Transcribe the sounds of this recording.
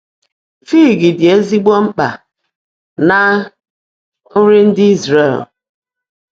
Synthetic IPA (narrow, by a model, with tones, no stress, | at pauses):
fiː˦˨ɡɪ˨dɪ˨e˦zi˦ɡ͡bɔ˦ŋ͡m̩˦k͡pa̰˨ | na˨ | ʊ˦ɾɪ˦n̩˦dɪ˦i˦zɾe˦˨l